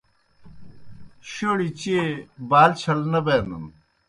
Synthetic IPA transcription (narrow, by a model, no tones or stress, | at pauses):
ɕoːɽit͡ɕebaːlt͡ɕʰɐlnɐbeːnd̪ɐ̰n